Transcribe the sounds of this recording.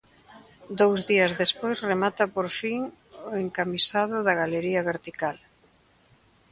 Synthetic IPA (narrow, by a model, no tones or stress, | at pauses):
d̪owzðiɐzðespojzremat̪ɐpoɾfiŋ | oeŋkamisað̞ʊðɐɣaleɾiɐβeɾt̪ikal